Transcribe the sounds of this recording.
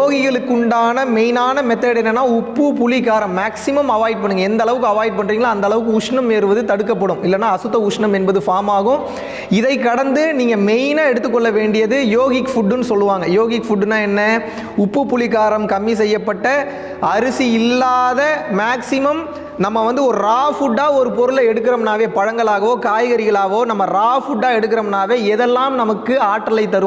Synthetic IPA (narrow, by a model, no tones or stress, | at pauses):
joːɣɪɣɐɭɯkːɯɳɖaːnɐmɛjnaːnɐmɛt̪ːɐːɽɛnːɐnːaːʊpːɯpʊlɪkːaːɾɐmːaːksɪmɐmɐʋaːjʈ̚pɐɳːɯŋɡɐɛnd̪ɐɭɐʋɯkːɯɐʋaːjɪʈ̚pɐɳrɾiːŋɡɐlnaːnd̪ɐlɐʋɯk̬ːɯʊʂɳɐmːeːɾɯʋɐðɯt̪ɐɽɯkːɐpːɐɽɯ̃mɪlːɐnːaːɐsɯt̪ːɐʊʂɳɐmɛnbɐðɯfaːmaːɣɯ̃ | ɪðɐɪkːɐɽɐnd̪ɯniːŋɡɐmɛjnaɛɽɯt̪ːɯk̬ːɔɭːɐʋeːɳɖɪjɐðɯjoːɣɪkfʊɖːɯnɯsɔlːɯʋaːŋɡɐjoːɣɪkfʊɖːɯnaːɛnːɐ | ʊpːɯpːʊɭɪɣaːɾɐmkɐmːis̬ɛjːɐpːɐʈːɐ | ɐɾɯsiɪlːaːðɐmaːksɪmɐm | nɐmːɐʋɐnd̪ɯɔɾɯɾaːfʊɖːaːɔɾɯpɔɾɯlɐɛɽɯkːɪɾɐmnaːʋeːpɐɻɐŋɡɐɭaːɣɐʋoːkaːjɐɣɐɾɪɣɐɭaːɣɐʋoːnɐmːɐɾaːfʊɖːaːɛɽɯkːɪɾɐmnaːʋeːɛðɛlːaːmnɐmɐkːɯaːʈːɐlɐɪt̪ːɐɾɯ